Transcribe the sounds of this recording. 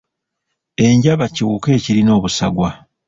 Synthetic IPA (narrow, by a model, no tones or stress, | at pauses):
e̞ɲɟaβaciwuke̞ːciɾino̞ːβusa̰ɡwa